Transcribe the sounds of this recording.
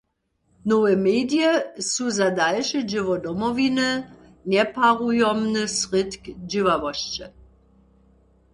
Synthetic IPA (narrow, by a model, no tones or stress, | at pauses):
nɔwɛmeːdjɛsuzadalʃəd͡ʑɪvɔdɔmɔvinə | nɛpaʁujɔmnəsʁɪt̪kd͡ʑɪvavɔɕt͡ɕə